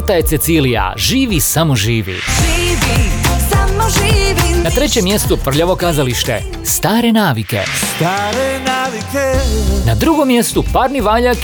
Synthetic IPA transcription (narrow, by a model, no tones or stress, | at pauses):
t̪aje̞t̪set̪silija̰ʒiːʋisamoʒiːʋḭʒiʋisamʒiʋinat̪ɾe̞t͡ɕe̞mːje̞st̪upr̩ʎaʋo̞kaːzaliʃt̪e̞̰ | st̪aːɾe̞naːʋike̞̰st̪aːɾenaːʋikenad̪ɾuɡo̞mːje̞st̪upaːɾniʋaːʎak